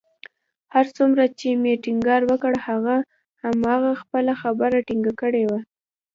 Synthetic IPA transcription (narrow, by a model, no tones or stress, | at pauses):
haɾt͡sumɾat͡ʃemeʈiŋɡɑɾwəkəɽhaɣa | hamɑɣaxpəlaxabəɾaʈiŋɡakəɽewa